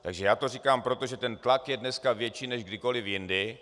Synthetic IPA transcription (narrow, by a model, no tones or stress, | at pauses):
t̪aɡʒɛjaːt̪o̞rikaːmpɾo̞t̪o̞ʒɛt̪ɛnt̪lakjɛdnɛskavjɛt͡ʃiːnɛʒɡdɪko̞lɪfjɪndɪ